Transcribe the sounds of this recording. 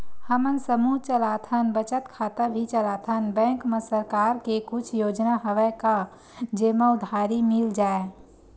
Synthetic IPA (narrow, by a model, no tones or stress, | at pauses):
həmənsəmuɦt͡ʃəlat̪ʰənbət͡ʃət̪kʰaːt̪əbʱit͡ʃəlat̪ʰənbɛ̃ŋkmesəɾkaːɾkekʊt͡ʃʰjoːd͡ʒnaɦəʋɛka | d͡ʒeməd̪ʱaɾimild͡ʒaːe